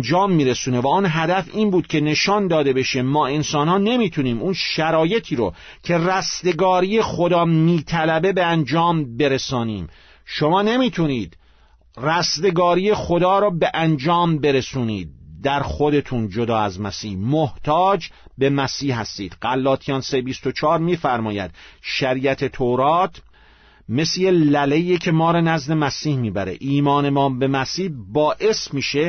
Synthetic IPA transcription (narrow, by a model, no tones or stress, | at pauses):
d͡ʒɒːmːiːɾesuːnevæunɦæd̪æfiːnbuːd̪̥̚cʰe̞ne̞ʃɒːnd̪ɒːd̪e̞be̞ʃe̞mɒːe̞nsɒːnhɒːne̞miːt̪ʰuniːmunʃæɾɒːje̞t̪ʰiːɾo̰cʰe̞ræsd̪e̞ɡɒːɾiːje̞xod̪ɒːmiːt̪ʰælæbe̞be̞ænd͡ʒɒːmbe̞ɾesɒːniːm | ʃo̞mɒːne̞miːt̪ʰuniːd̪̥ | ræst̪e̞ɡɒːɾije̞xo̞d̪ɒːɾɔːbe̞ʔænd͡ʒɒːmbe̞ɾesuːniːd̪̚ːæɾxod̪e̞t̪ʰund͡ʒod̪ɒːæzmæsiːhmoht̪ʰɒːd͡ʒbe̞mæsiːhhæst̪iːd̪̥ɢælːɒːt̪ʰijɒːnsebist̪ot͡ʃʰɒːɾmiːfæɾmɒːjæ̰d̪ʃæɾiːæt̪ʰe̞t̪ʰoɾɒːt̪ʰ | meslelælejecʰe̞mɒːɾɔnæzd̪e̞mæsiːhmiːbæɾḛʔiːmɒːne̞mɒːbe̞mæsiːhbɒːʔe̞smiːʃe